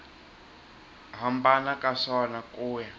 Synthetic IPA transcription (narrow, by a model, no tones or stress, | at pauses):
ɦambanakʼaʂɔnakʼuːja